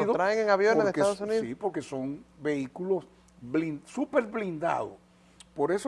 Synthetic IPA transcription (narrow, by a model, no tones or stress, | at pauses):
ðot̪ɾaeŋeŋaβjonoeɾeskeaðosunisipo̞ɾke̞so̞ŋbe̞ikulo̞s | βlinsupe̞ɾβlind̪a̰ðo̰s | po̞ɾe̞so